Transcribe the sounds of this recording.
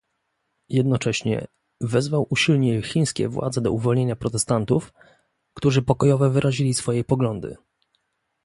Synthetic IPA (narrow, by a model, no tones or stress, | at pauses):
jɛd̪nɔt͡ʂɛɕɲɛ̰ | vɛzvawʔuɕilɲɛxʲij̃skʲɛ̰vwa̰d̪zɛd̪ɔ̰uvɔlɲeɲapɾɔt̪ɛst̪ant̪uf | kt̪uʐɘpɔkɔjɔvɛvɘɾʔaʑilʲisfɔjɛpɔɡlɔnd̪ɘ̰